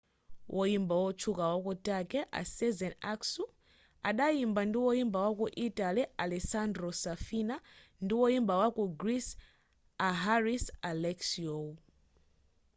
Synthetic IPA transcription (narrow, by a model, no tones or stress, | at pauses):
wʔɔjimbawɔt͡ʃʰukawakɔtakɛʔa̰sɛzɛnaksu | aɗajimbandiwɔimbawakuʔitalialɛsandɾɔsafinandiwɔimbawakuɡɾis | aɦaɾisalɛksiɔ